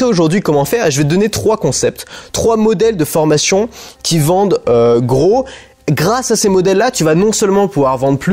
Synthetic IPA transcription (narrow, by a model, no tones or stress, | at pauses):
ɛoʒuʁd̪ɥikɔmɑ̃fɛʁʒəvɛəd̪ɔnet̪χwakɔ̃sɛp̚t̪t̪ːχwamɔd̪ɛld̪əfɔʁmasjɔ̃kʲivɑ̃d̪øɡʁo | ɡʁasasemɔd̪ɛlːat̪yvanɔ̃sœlmɑ̃puvwaʁvɑ̃d̪ʁply